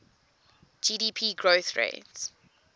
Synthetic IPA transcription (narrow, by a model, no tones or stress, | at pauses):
d͡ʒiːdiːpʰiːɡɹoʊθɹḛɪts